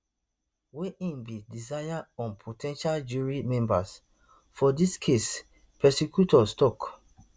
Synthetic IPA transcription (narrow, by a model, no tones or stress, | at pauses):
weʔĩnbidizajaɔ̃npʰotʰɛ̃nʃald͡ʒuɹimɛ̃mba̰s | fɔdiskʰes | pʰɛsikjutʰɔstɔk